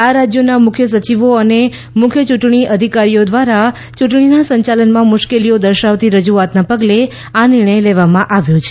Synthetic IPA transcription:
aɾad͡ʒjonamʊkʰjəs̬ət͡ʃiʋoəne | mʊkʰjət͡ʃuʈɳiʔəd̪ʱikaɾijod̪ʋaɾa | t͡ʃuʈɳinasə̃ɲt͡ʃalənmãmʊʃkelijod̪əɾʃaʋt̪iɾəd͡ʒuat̪napəɡle | anɪɾɳ̃əjleʋamãʔaʋjot͡ʃʰe̥

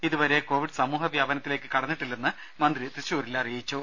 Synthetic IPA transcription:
iðuʋɐɾe̞ko̞ːʋiɖsɐmuːɦɐʋjaːbɐnɐt̪ːile̞ːkːɨkɐɽɐnːiʈːilːɐnːɨ | mɐnd̪rit̪riɕuːɾilːɐrijit͡ɕːoː

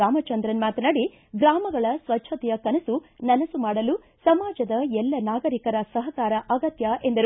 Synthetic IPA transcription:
aːmɐt͡ʃɐnd̪ɾɐnmaːt̪ɐnɐɽi | ɡɾaːmɐɡɐɭɐsʋɐtːt͡ʃʰɐt̪ɛjɐkɐnɐsunɐnɐsumaːɽɐlu | sɐmaːd͡ʒɐd̪ɐɛlːɐnaːɡɐɾikɐɾɐsɐɦɐkaːɾɐʔɐɡɐt̪jɐʔe̞nd̪ɐɾ

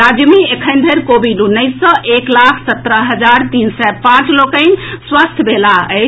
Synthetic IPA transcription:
ad͡ʒmiekʰənd̪ʱəɾkobiɖunəjsːə̃ʔeklakʰsət̪ɾəɦəd͡ʒaɾt̪insɛpãt͡ʃlokə̃ɪnswəst̪ʰbʱelaəɪ

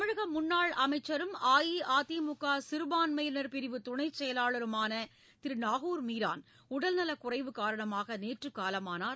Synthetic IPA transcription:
mɪɻɯɣɐmʊnːaːɭɐmɐɪt͡ʃːɐɾɯmaːjiaːt̪iːmʊkːaːsɪɾɯbaːnmɐjnɐɾpɪɾɪʋɯt̪ʊɳɐɪt͡ʃːɛjɐlaːɭɐɾɯmaːnɐ | t̪ɪɾɯnaːɣuːɾmiːɾa̰ːn | ʊɽɐlnɐlɐkʊrɐɪʋɯkaːɾɐɳɐmaːɣɐneːʈrɯkːaːlɐmaːnaː

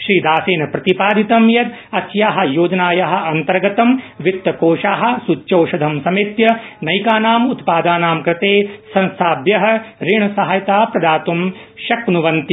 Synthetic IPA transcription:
ʃɾiːd̪aːseːnɐpɾɐt̪ipaːd̪ʱit̪ɐmjɐt̪ | ɐsjaːɦɐ̆joːd͡ʒɐnaːjɐɦɐ̆ɐnt̪ɐɾɡɐt̪ɐmʋit̪ːɐkoːʂaːɦɐ̆sut͡ʃːt͡ʃoːʂɐd̪ʱɐmsɐmit̪jɐnɐjkaːnaːmut̪paːd̪aːnaːmkɾɪt̪eːsɐ̃nst̪ʰaːbjɐɦɐ̆ɾiɳɐsɐɦajɐt̪aːpɾɐd̪aːt̪umʃɐknuʋɐnt̪i

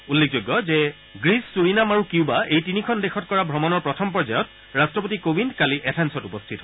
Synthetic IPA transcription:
ulːek̚ʰzojɡːɔzɛ | ɡɹisːuɹinamaɹukiʊbaejtinikʰɔndexʰɔt̚kɔɹabʱɹɔmɔnɔɹpɹɔtʰɔmpɔɹzajɔt̚ | ɹastɹɔp̬otikobindkaliʔɛtʰɛnsɔtupɔstʰitɦɔ

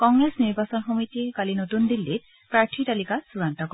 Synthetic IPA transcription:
kɔŋɡɹesniɹbasɔnxɔmitikalinotundilːit̚ | pɹaɹtʰitalikasuɹantɔkɔ

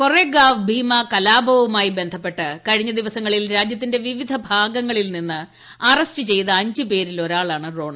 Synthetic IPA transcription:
kure̞ːɡaːʋbʱiːmɐkɐlaːbʱɐʋɐmaːjibe̞nd̪ʱɐpːe̞ʈːɨkɐɻiɲːɐd̪iʋɐsɐŋːɐɭilɾaːd͡ʑjɐt̪̬ːinde̞ʋiʋid̪ʱɐbʱaːɡɐŋːɐɭilninːɨ | ɐrɐstɨt͡ɕe̞jt̪ɐɐɲd͡ʑɨpe̞ːɾilo̞ɾaːɭaːɳɨro̞ːɳɐ

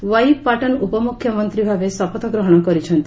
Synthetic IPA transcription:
ʋajpaʈɔnupɔmukʰːjɔmɔnt̪ɾibʱaʋesapɔt̪ʰɔɡɾɔɦɔɽ̃ɔkɔɾit͡ʃʰɔnt̪i

